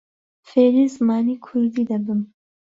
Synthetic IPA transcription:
feɾizmɑːnikʰuɾd̪id̪abəm

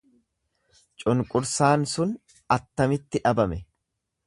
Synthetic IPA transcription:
t͡ʃʼʊŋkʼʊɾsaːnsʊn | ɐt̪ːɐmɪt̪ːɪᶑɐbɐmɛ

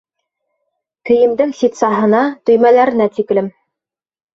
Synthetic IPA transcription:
kɘ̆jɘ̆md̪ɘŋsit̪sɑɦɤ̆nɑt̪ɵ̆jmælæɾɘ̆næt̪iklɘm

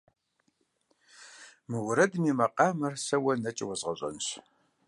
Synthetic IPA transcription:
mɨwʊɾɐdmiːmɐqʼɑːmɐrsɐwɐnɐt͡ʃʼwɐzʁɐɕʷʼɐ̰nɕ

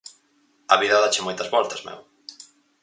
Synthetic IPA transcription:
ɐβiðɐðat͡ʃɪmɔjt̪ɐzβɔlt̪ɐzmɛ̰w

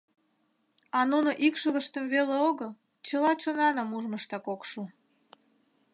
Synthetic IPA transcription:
ɑnunoʔikʃəβəʃt̪əmveleoɣəl | t͡ɕəlɑt͡ɕonɑnəmuʒməʃt̪ɑkokʃu

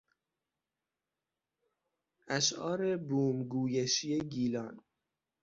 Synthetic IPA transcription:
ʔæʃʔɒːɾebuːmɡuːjeʃijeɡiːlɒ̰ːn

